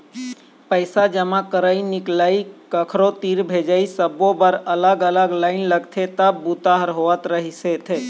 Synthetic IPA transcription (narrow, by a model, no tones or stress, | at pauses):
pəɪsad͡ʒəmakəɾəiniklaikəkʰɾot̪iɾbʱed͡ʒaisəbobəɾələɡələɡlaɪnləɡt̪ʰet̪əbbut̪aɦəɾɦoət̪ɾəɦiset̪ʰe